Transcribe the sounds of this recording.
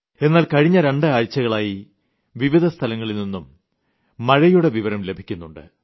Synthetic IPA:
e̞nːaːlkɐɻiɲːɐɾe̞ɳɖɨaːɻt͡ɕːɐɣɐɭaːji | ʋiʋid̪ʱɐst̪ʰɐlɐŋːɐɭilninːumː | ɐɻɐjuɽe̞ʋiʋɐɾɐmle̞bʱikʲːunːuɳɖɨ̰

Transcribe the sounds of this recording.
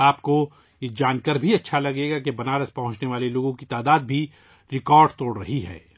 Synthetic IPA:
aːpko | d͡ʒaːnkəɾbʱiɐtːʃʰalɐɡeːɡakebɐnaːɾəspɐɦʊ̃ɲt͡ʃneʋaːleloːɡõkit̪aːd̪aːd̪̚bʱi | ɾɪkɔːɾɖt̪oːɽɾɐɦiɦɛ̰ː

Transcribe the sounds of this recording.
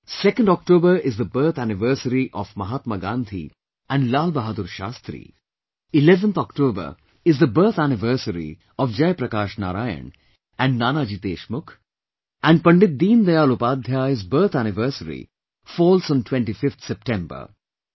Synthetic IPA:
sɛkə̃ɳɖɔk̚ʈoːbəɾɪzd̪əbəɾt̪ʰænɪʋəɾsəɾiʔɔfmɐɦaːt̪məɡãːnd̪ʱḭ | æ̃ɳɖlaːlbɐɦad̪uɾʃa̰ːst̪ɾḭː | ɪlɛʋə̃nt̪ʰɔkʈoːbə̰ɾ | ɪzd̪əbəɾt̪ʰænɪʋəɾsəɾḭ | ɔfd͡ʒɐjpɾɐkaːʃna̰ːɾaːjə̰ɳ | æ̃ɳɖnaːnaːd͡ʒiːt̪eːʃmʊkʰ | æ̃ɳɖpɐ̃ɳɖɪt̪̚d̪iːnd̪ɐjaːlʊpaːd̪ʱjaɪzbəɾt̪ʰænɪʋəɾsəɾḭ | fɔːlsɔ̃nʈwɛ̃ɳʈifɪft̪ʰsɛp̚ʈɛ̃mbə̰ɾ

